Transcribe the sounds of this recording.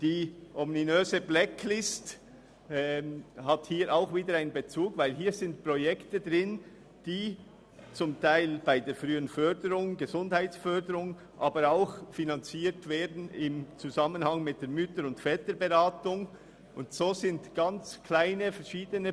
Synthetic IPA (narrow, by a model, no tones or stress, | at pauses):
d̥iːʔɔmninøːzəblɛklɪstː | hathiːɾʔaʊxviːdəɾaɪnənbət͡suːɡvaɪlɦiːɾzɪntpʁojɛktədʁɪn | d̥iː | t͡sʊmtʰaɪlb̥aɪdeːfʁyːənfœdəɾʊŋɡəzʊndhaɪtsfœɐdəɾʊŋ | ʔaːbəɾaʊxfinant͡siːɾtv̥eːɐdn̩ɪmt͡suzamənhaŋmɪt̚d̥eːɐmʏtəɾʊntfɛːtəbeʁaːtʊŋ | ʔʊndsoːzɪntɡ̥ant͡sklaɪnəfɛʃiːdənə